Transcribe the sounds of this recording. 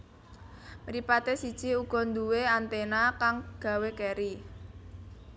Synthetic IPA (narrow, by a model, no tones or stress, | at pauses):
mɾipat̪esid̥ʒ̥iuɡ̥ɔ̤nd̪uweant̪enakaŋɡ̥ä̤wekeɾi